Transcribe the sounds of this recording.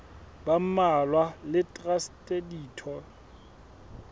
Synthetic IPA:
bam̩malwalɪtʼrastʼediːtʰɔ

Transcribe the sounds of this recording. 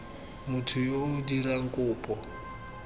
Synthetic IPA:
mutʰujodiɾaŋkʼuːpʼɔ

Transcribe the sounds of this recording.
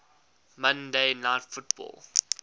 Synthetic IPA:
mʌ̃ndeɪnaɪtfʊt̚bɔ̰ːlˠ

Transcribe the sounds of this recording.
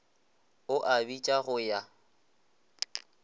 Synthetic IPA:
ʊʔabit͡ʃʼaɣʊja

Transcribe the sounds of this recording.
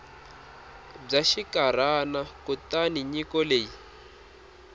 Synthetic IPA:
b͡ʐaʃikaɾ̤anakutaniɲikɔleːji

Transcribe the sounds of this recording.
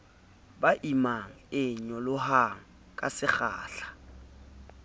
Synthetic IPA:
baʔimaŋ̩ɪɲɔlʊɦaŋ̩ | kʼa̰sɪχa̰ːɬḁ

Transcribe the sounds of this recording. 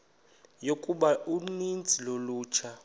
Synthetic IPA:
jokʼuɓaunind͡zʱiloluːt͡ʃʰa

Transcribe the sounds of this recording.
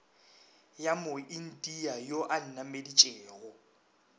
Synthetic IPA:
jamʊin̩dʼiajoʔan̩namedit͡ʃʼeːɣɔ

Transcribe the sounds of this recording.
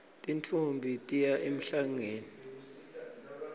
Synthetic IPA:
tʼintʰumbʱitʼijaʔem̩ɬaŋeːni

